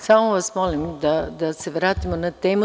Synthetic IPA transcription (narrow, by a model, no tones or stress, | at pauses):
samoʋasmolimd̪ad̪ase̞ʋɾaːt̪imonat̪eːmu